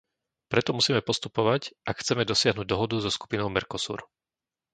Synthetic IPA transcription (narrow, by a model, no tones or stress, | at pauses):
pɾɛt̪ɔmusiːmɛpɔst̪upɔʋacʔakxt͡sɛmɛd̪ɔsɪaɦnuɟ̚d̪ɔɦɔd̪uzɔsku̥pinɔʊmɛɾkɔsṵːɾ